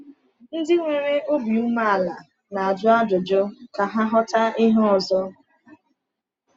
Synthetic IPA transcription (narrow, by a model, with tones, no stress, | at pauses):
n̩˦dɪ˦ŋʷe˨ɾe˦o˦bi˨u˦ma˦a˨la˨ | na˨a˨d͡ʒʊ˦a˦dʊ˨d͡ʒo˦ka˨ɦa˦ɦɔ˦ta˦ɪ˦ɦʊ˦ɔ˨zɔ˦